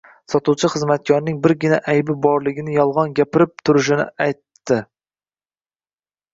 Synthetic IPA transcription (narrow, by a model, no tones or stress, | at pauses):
sɒt̪uwt͡ʃʰɪχɨzmat̪̚kʲʰɒɾnɪŋbɪɾɡʲɪnaʔæjbɪbɒɾlˠɪɡʲɪnɪjɒlˠʁɒnɡʲapɪɾɪp̚t̪ʰʊɾɪʃ̬ɪnɪ̰ajt̪ːɪ